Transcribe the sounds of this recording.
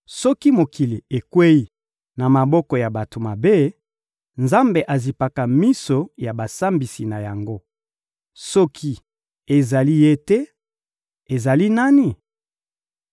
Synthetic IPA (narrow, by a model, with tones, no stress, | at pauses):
sɔ˦ki˦mo˨ki˨li˨e˨kwe˦i˨ | na˨ma˨bɔ˦kɔ˨ja˨ba˨to˨ma˨be˦ | nza˦mbe˨ʔa˨zi˨pa˨ka˨mi˦so˨ja˨ba˨sa˦mbi˨si˨na˨ja˨ŋɡo˦ | sɔ˦kʰi˦ | e˨za˨li˦je˦tɛ˦ | e˨za˨li˦na˦ni˦˨